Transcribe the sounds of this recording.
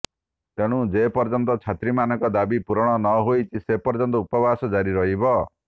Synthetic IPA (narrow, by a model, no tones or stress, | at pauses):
t̪eɽ̃ũd͡ʒepɔɾd͡ʒɔnt̪ɔt͡ʃʰat̪ɾimanɔŋkɔd̪abipuɾɔɽ̃ɔnɔɦojt͡ʃʰisepɔɾd͡ʒɔnt̪ɔupɔbasɔd͡ʒaɾiɾɔɦibɔ